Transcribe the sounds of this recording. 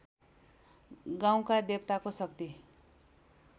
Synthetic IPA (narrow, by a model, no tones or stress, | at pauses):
ɡãw̃kad̪ep̚t̪akosəkt̪i